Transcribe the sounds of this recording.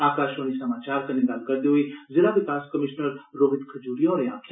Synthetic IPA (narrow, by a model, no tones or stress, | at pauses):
aːkaːʃoːñisɐmaːt͡ʃaːɾkəned̪ɐlkəɾd̪eɦoizɪlaːʋɪkaːskəmɪʃnəɾɾoːʋɪt̪kʰəd͡ʒuːɽijõːɾeãːkʰa